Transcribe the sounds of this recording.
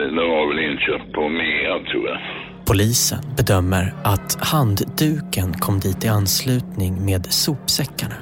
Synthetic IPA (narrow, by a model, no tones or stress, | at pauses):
nʉːhaɾvɛlɪŋɕøːp̚t̪̚pʰɔmeːɾat̪ʰɾṵːja̰ | pʰʊliːsə̰nbɛd̪œmːəɾʔat̪hand̪d̪ʉ̟ːkənkʰɔmd̪iːt̪ɪanslʉ̟ːt̪nɪŋmeːd̪suːpsɛkːaɳa